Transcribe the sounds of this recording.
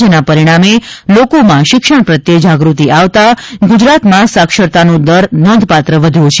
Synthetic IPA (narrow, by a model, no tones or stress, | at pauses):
enapəɾiɽ̃amelokomãʃɪkʃəɳ̃pɾət̪jed͡ʒaɡɾut̪iʔaʋt̪aɡud͡ʒɾat̪mãsakʃəɾt̪anũd̪əɾnɔnd̪ʱpat̪ɾəʋəd̪ʱjũt͡ʃʰ